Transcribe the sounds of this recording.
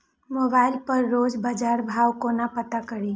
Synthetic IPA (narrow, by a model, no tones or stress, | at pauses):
moːbaːɪlpəɾːoːd͡ʒbad͡ʒaːɾbʱaːwkonapət̪akəɾi